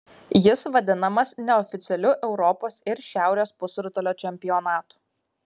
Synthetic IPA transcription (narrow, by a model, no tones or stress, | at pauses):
jɪsʋɐd̪ʲɪnɐmɐsnʲɛɔfʲɪt̪sʲɛlʲʊʔɛʊɾɔpoːsɪɾʃʲæˑʊɾʲoːspʊsɾʊt̪oːlʲoːt͡ʃʲɛmʲpʲɪjɔnɑːt̪u̥